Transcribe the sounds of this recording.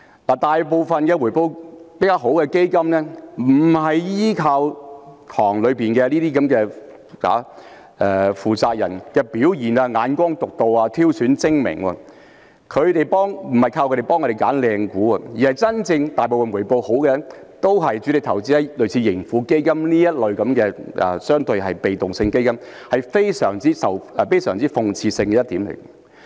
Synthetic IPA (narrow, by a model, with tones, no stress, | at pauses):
laː˨˩t̪aː˨jpo˨˧wfɐ˨nkɛː˧wu˨˩jpo˧wpe˨˥kaː˥wɦo˨˥wkɛː˧ke˥jkɐ˥mnɛː˥m̩˨˩hɐ˨jjiː˥kʰaː˧wt̪ʰɔː˨˩ŋlɵ˨˧ɥpiː˨nkɛː˧liː˥t̪iː˥kɐ˨˦mkɛː˧ | a̰ː˨˥ | ʔɛː˨˩fuː˨˩t͡saː˧k̚jɐ̰˨˩nkɛː˧piː˨˥wjiː˨˩naː˧ŋaː˨˧nkʷɔː˥ŋt̪ʊ˨k̚t̪o˨waː˧t̪ʰiː˥wsyː˨˥nt͡sɪ˥ŋmɪ̰˨˩ŋɐ̰˧ | kʰɵ˨˧ɥt̪e˨˩jpɔː˥ŋm̩˨˩ɐ˨jkʰaː˧wkɵ˧ɾe˨jpɔː˥ŋɔ˧ɾe˨jkaː˨˥nlɛː˧ŋkuː˨˥a˧jiː˨˩hɐ˨˩jt͡sɐ˥nt͡sɪ˧ŋt̪aː˨jp̬o˨wfɐ˨nwu˨˩po˨˧who˨˥wkɛː˧t̪o˥wɦɐ˨jt͡ʃyː˨˥lɪ˨k̚t̪ʰɐ˨˩wt͡siː˨˥hɐ˨˧˥lɵ˨ɥt͡sʰiː˧jɪ˨˩ŋfuː˨˧˥ke˥jkɐ˥mniː˥jɐ˥t̚lɵ˨˧ɥkɐ˨˥mkɛː˧ʔɛ̰ː˨˩sœː˥ŋt̪ɵ˧ɥɦɐ˨jpe˨jt̪ʊ˨ŋsɪ˧ŋke˥jkɐ˥m | hɐ˨jfe˥jsœ̰ː˨˩ŋt͡siː˥sɐ˨˩wʔɛ˧fe˥jsœː˨˩ŋt͡siː˥fʊ˨˧ŋt͡sʰiː˧sɪ˧ŋkɛː˧jɐ˥t̪̚iː˨˥mlḛ˨˩